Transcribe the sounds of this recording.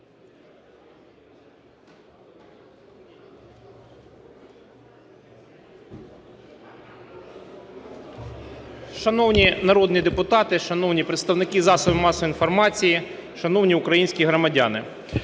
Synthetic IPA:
ʃɐnɔwnʲinɐɾɔd̪nʲid̪epʊt̪ɑt̪ɪʃɐnɔwnʲipɾet̪st̪ɐwnɪkɪzɑsɔbɪmɑsɔʋinfɔrmɑt͡sʲijiʃɐnɔwnʲiʊkɾɐjinʲsʲkʲiɦɾɔmɐdʲɑnɪ

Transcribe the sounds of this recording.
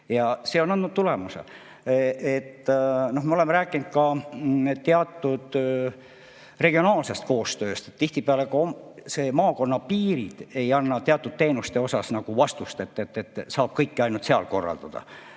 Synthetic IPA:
jɑse̞ːonɑnd̪nut̪̚t̪ule̞musḛ | et̪ːno̞hmeo̞le̞meɾæːkːˑinud̪̥̚kɑ | t̪eɑt̪ˑːud̪̥ | re̞ɡ̥io̞nɑːlse̞st̪̚ko̞ːst̪ø̞ːst̪e̞̥t̪t̪ːiht̪ipeɑle̞kɑomse̞ːmɑːko̞nːɑpiːɾid̪̥e̞jɑnːɑt̪eɑt̪ˑːud̪̥̚t̪e̞ːnust̪e̞o̞sɑsnɑɡ̥uvɑst̪ust̪e̞t̪ːet̪ːet̪ːˑsɑːb̥̚kɤjkːɑjnult̪seɑ̰lko̞rːɑ̰ld̪ɑ̰d̪̥ɑ̰

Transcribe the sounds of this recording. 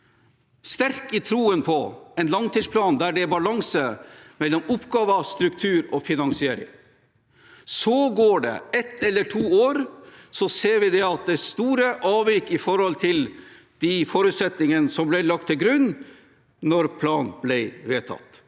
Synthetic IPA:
st̪æɾkɪt̪ʰɾuːənpʰɔɛnlɑŋt̪ʰiːspʰlɑːnd̪æɖɛbɑlɑŋsəmɛlːɔmʊpɡɑːʋəst̪ɾʉk̚t̪ʰʉːɾɔfɪnɑŋsɪeːɾɪ̰ŋ | sɔɡoːɖɛ̰ɛt̪ʰːɛlːəʈʰuːoːɾsɔseːɾʋɪd̪ɛɑt̪̚d̪ɛst̪uːɾəʔɑːʋɪkːɪfɔɾhɔlt̪ʰɪl | d̪̥ifɔɾʉːt̪sɛt̪nɪŋənəsɔmblɛlɑk̚t̪ʰːɪlɡɾʉnː | nɔɾpʰlɑːnblɛɪʋeːt̪ʰɑ̰t̪

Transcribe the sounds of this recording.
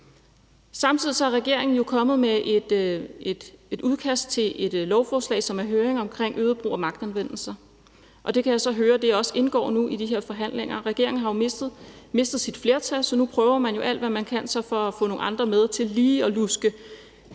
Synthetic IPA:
sɑ̈mt͡sʰið̰ˠisɒ̽æɐʁɛɡ̥e̝ɐ̰e̝ŋn̩jo̝kʰɒ̽mð̩ˠmeʔd̥ed̥e̝d̥uð̞ˠkʰæsd̥̚t͡sʰe̝lʔe̝d̥lɒʊfɒːslɛ̰ːɪsɒ̽mæɐɦøːɐeŋɒ̽mkʰʁeŋ̰ʔøːð̞ˠb̥ʁṵːɒ̽mɑ̈ɡ̥d̥ænʋen̰l̩sɐ | ʔɒ̽d̥e̝kʰæjäɪsɒ̽ɦøːɐd̥e̝jɒ̽se̝nɡ̥ɒ̰ːnuʔid̥iɦe̝ɐ̰fɒ̽ɦæn̰leŋ̰ɐʁɛɡ̥e̝ɐ̰eŋn̩ɦɑjo̥ | me̝sd̥ð̞̩ˠsid̥fle̝ːɐt͡sʰælsɒ̽nupʰʁœːʊɐmænjo̝ʔæl̰d̥ʋæmænkʰænsɒ̽fɒ̽æfɔ̰̽no̝ːɑ̈nd̥ʁɐmeð̞ˠt͡sʰe̝lliːɒ̽lusɡ̥ə

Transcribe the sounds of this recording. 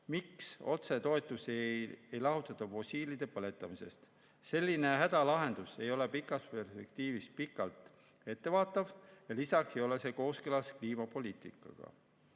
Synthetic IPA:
mikso̞̰t̪se̞t̪o̞et̪ːˑuseejlɑɦut̪ːˑɑt̪ːˑɑfo̞sʲiːlid̪̥e̞pɤle̞t̪ːˑɑmise̞̰st̪ | se̞lʲːine̞ɦæd̪̥ɑlɑɦe̞nd̪̥use̞jo̞le̞pikːˑɑspe̞rspe̞kt̪iːvis̚pikːˑɑlt̪ | e̞t̪ːe̞vɑːt̪ːˑɑvjɑlisɑksejo̞le̞se̞ko̞ːskelɑskliːmɑpo̞liːt̪ˑikːˑɑ̰ɡ̥ɑ̰

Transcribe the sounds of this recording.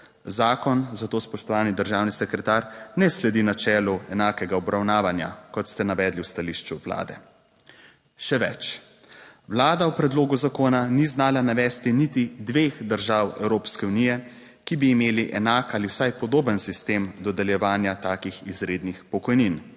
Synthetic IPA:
zaːkɔnzat̪oːspɔʃt̪ɔʋaːnid̪əɾʒaːwnisɛkɾɛt̪aːɾnɛslɛd̪inat͡ʃɛːluɛnaːkɛɡaɔbɾawnaːʋanja̰kɔt̪st̪ɛnaʋɛːd̪liwst̪aliːʃt͡ʃuʋla̰ːd̪ɛ̰ | ʃɛʋɛ̰t͡ʃ | ʋlaːd̪awpɾɛd̪loːɡuzakoːnaniznaːlanaʋɛːst̪init̪id̪ʋeːxd̪əɾʒaːwɛ̰wɾoːpskɛunijɛ | kibiːmeːliʔɛnaːkaliwsajpɔd̪oːbənsist̪eːmd̪ɔd̪ɛljɛʋaːnjat̪aːkixizɾeːd̪nixpɔkɔjnin

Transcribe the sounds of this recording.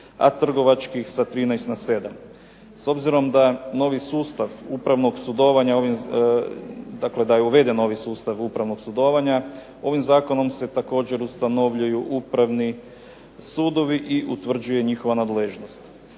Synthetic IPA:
a̰t̪r̩ɡo̞ʋat͡ʃkixsat̪ɾiːnajst̪nase̞d̪am | so̞bziɾo̞md̪ano̞ʋisuːst̪aʋupɾaʋno̞ɡsud̪o̞ʋaɲaoʋim | d̪akle̞d̪ajeuʋe̞d̪eno̞ʋisuːst̪aʋupɾaʋno̞ɡsud̪o̞ʋaɲa | o̞ʋimzaːko̞no̞mse̞t̪ako̞ːd͡ʑe̞ɾust̪ano̞ʋʎujuʔupɾaʋni | suːd̪o̞ʋiʔiʔut̪ʋr̩d͡ʑuje̞ɲixo̞ʋanad̪leʒno̞st̪

